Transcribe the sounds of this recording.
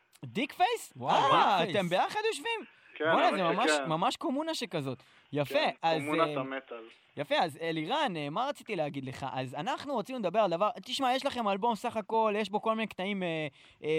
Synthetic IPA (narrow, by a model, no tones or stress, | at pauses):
d̪ikfejswaːt̪e̞mbe̞jaχad̪joʃvim | kbonazemamaʃmamaʃkomunaʃekazo̞t̪ | jafeazmunmet̪al | jafe̞azeliʁanemaʁat͡sit̪ileaɡid̪le̞χa̰ʔazanaχnuʁot͡simuled̪abe̞ʁald̪avaʁt̪iʃmajeʃlaχe̞malbo̞msaχako̞ljeʃbo̞ko̞lminekt̪aime